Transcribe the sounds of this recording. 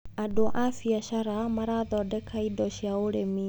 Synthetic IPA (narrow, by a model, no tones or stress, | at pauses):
adoʔafiaʃaɾamaɾaðɔdɛkʰaidɔʃaoɾemi